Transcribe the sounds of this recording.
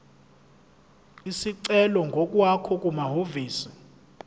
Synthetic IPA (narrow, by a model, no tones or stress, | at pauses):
isiǀɛlɔŋɡʱɔk̬ʼwakʰɔkʼumaɦoviːsi̥